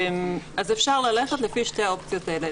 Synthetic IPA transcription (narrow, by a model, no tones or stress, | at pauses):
mazefʃaʁlaleχet̪lefiʃtejopt͡sijot̪ele